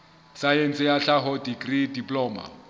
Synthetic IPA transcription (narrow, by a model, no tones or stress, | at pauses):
sajen̩sʼɪjaɬaɦɔdiɡridipʼlɔːma̰